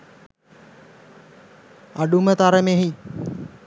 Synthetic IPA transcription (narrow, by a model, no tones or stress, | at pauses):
aɖumət̪aɾəmeɦi